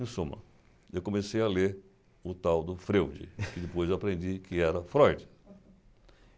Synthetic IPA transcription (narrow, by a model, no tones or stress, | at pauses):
ẽsũmɐ̰ | ewkõmesejaleɾ | ʊt̪awd̪ʊfɾewd͡ʒɪ̰kɪd͡ʒɪpojzewapɾẽnd͡ʒikɪɛɾɐfɾɔjd͡ʒɪ